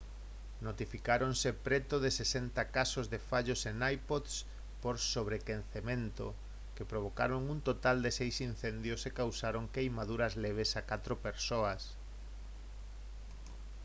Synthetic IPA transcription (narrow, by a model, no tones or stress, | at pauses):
not̪ifikaɾonsepɾet̪oðɪsesent̪akasozðefaʎosenajpod̪s | poɾsoβ̞ɾekenθemẽnt̪o̰ | kepɾoβ̞oka̰ɾoŋunt̪ot̪ald̪esejsin̟θend̪josekawsaɾoŋkejmaðuɾɐzleβ̞esakat̪ɾopeɾsoɐs